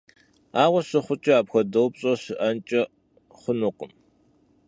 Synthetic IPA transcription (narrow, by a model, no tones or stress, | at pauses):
aːʁʷɐɕɨχʷʊt͡ʃʼɪaːpxʷɐdɐwpɕʼɐɕɪʔɐnt͡ʃʼɐ | χʷʊnuːqʷʼʊm